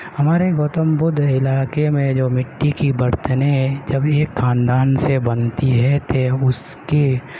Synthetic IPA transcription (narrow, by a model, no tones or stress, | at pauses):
hɐmaːɾeɡoːt̪əmbʊd̪ʱɪlaːkemẽd͡ʒoːmɪʈːikibɐɾt̪əned͡ʒɐbeːkʰːaːnd̪aːnsebɐnt̪iɦɛt̪ʰeʊs | ke